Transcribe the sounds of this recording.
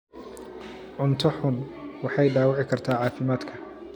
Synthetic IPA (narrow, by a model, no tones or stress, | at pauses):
ʕʊnt̪ʰɔħʊnwɑħɑjɖaːwɑʕɪkʰɐrt̪ʰaːʕɑːfɪmaːd̪kʰɐ